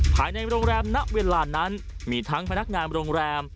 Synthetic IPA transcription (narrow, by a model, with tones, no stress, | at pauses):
pʰa̰ː˨˩jna˧jɾoː˧ŋɾɛː˧mna˦˥ʔweː˧laː˧na˦˥n | miː˧t̪ʰa˦˥ŋpʰa˧na˦˥k̚ŋaː˧nɾoː˧ŋɾɛː˧m